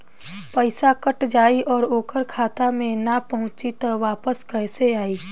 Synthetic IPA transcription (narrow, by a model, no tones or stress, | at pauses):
pəɪsakəʈd͡ʒaːiʔɔːɾoːkəɾkʰaːt̪amẽnapɐɦʊ̃t͡ʃit̪ɐʋaːpəskɛɪseaːiː